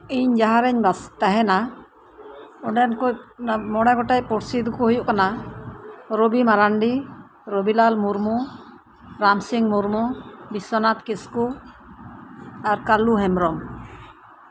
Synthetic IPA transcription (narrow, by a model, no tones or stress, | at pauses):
iɲd͡ʒaɦaɾɛɲbast̪aɦɛna | ɔɖɛnkɔjmɔɽakɔʈajpɔɾsid̪ukuhujuʔkana | ɾɔbimaɾaɳɖi | ɾɔbilalmuɾmu | ɾamsiŋmuɾmubisɔnat̪̚kisku | aɾkaluɦɛmɾɔm